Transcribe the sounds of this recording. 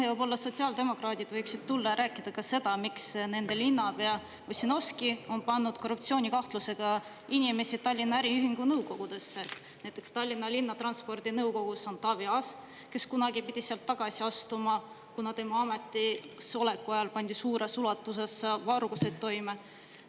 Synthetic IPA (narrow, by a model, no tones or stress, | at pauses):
eobo̞lːɑso̞t̪siɑld̪e̞mo̞krɑːd̪̥ʲid̪vɤjksid̪̚t̪ulːɑjɑɾæːkːˑid̪̥ɑkɑse̞d̪̥ɑmiksne̞nd̪̥e̞linːɑbe̞ɑ | osino̞skio̞npɑnːud̪̥̚ko̞rːup̚t̪sio̞ːnʲikɑht̪luse̞ɡ̥ɑ | inʲime̞sit̪ɑlʲːinːɑæɾiyɦiŋɡ̥unɤwko̞ɡ̥ud̪̥e̞sːet̪ː | næjt̪ːˑe̞kst̪ɑlʲːinːɑlinːɑt̪rɑnspo̞rd̪̥inɤwko̞ɡ̥usɑnt̪ːˑɑviɑs | ke̞skunɑɡipid̪̥ʲiseɑlt̪ːɑɡ̥ɑsiɑst̪umɑ | kunɑt̪e̞mɑɑme̞t̪ːˑisole̞kːuɑjɑlpɑnʲd̪̥isuːɾesulɑt̪ːˑuse̞sɑvɑrɡ̥use̞d̪̚t̪ːo̞jme